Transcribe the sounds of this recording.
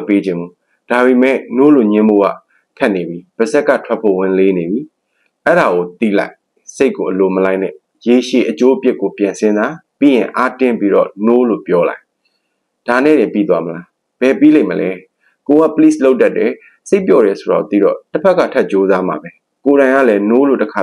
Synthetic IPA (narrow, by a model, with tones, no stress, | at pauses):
pe˦d͡ʑɪ̃˨mbu˨ | d̥a˨be˨mɛ̰˦˨no̰˦˨lo˨ɲɪ̃˦mbo̰˦˨ɡa̰˦˨ | kʰa˦ʔne˨bi˦b̥ə˨zɛ˦kːä̰˦˨tʰwɛ˦pʰːo̰˦˨wɪ̃˦˨le˦ne˨bi˦ | ʔɛ˦˨ɾa˨ɣo˨t̪ḭ˦˨la̰˦ɪʔ | se˦ɪkːo˨ʔəlo˨məla˦ɪnɛ̰˦˨ | je˨ʃe˨ʔət͡ɕo˦ʔəpjɪ˦ʔkːo˨pjã˨nsʰɪ̃˦nd̪ða˨pḭ˦˨jɪ̃˨ʔa˦tɪ̃˦˨mpi˦ɾɔ̰˦˨no˦lo̰˦˨pjɔ˦la̰˦ɪʔ | d̥a˨nɛ̰˦˨dɪ̃˨mpḭ˦˨t̪wa˦məla˦ | b̥ɛ˨pi˦lẽ˦ɪ̃˨məlʔɛ˦ | ko˨ɡa̰˦˨pəli˦˨slo˦ʊtːa˦˨tːɛ˨ | se˦ɪpjɔ˦˨ɾɛ˨so˨ɾa̰˨ɡo̰˨t̪ḭ˦˨ɾɔ̰˦˨təpʰɛ˦kːa̰˦˨tʰɛ˦ʔ̚t͡ɕo˦za˦ma̰˨bɛ˦ | ko˨ɾã˨ɪ̃ŋa̰˦˨lɛ˦no˦˨lo̰˦˨təkʰa˨